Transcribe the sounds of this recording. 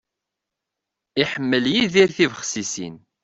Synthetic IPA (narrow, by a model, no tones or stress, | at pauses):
iħəmːəljiðiɾθivəχsisḭn